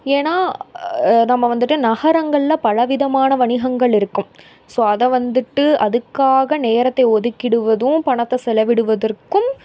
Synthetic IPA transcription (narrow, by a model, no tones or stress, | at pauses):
eːnaː | nɐmːɐʋɐnd̪ɯʈːɯnɐɣɐɾɐŋɡɐɭɪlɐpɐɻɐʋɪðɐmaːnɐʋɐɳɪɣɐŋɡɐɭɪɾɯkːɯm | soːɐðɐʋɐnd̪ɯʈːɯʔɐðɯkːaːɣɐneːɾɐt̪ːɐɪɔðɯkːɪɽɯʋɐðɯ̃pɐɳɐt̪ːɐsɛlɐʋɪɽɯʋɐðɐrkɯm